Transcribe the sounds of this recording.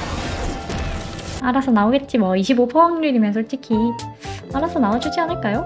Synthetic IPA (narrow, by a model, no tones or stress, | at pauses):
aɾasʰʌnaoɡe̞t̚t͡ɕ͈imaiɕʰibopʰʌŋɾɯɾimjʌnsʰʌɭt͡ɕ͈ikʰi | aɾasʰʌnaod͡ʑud͡ʑianɯɭk͈ajo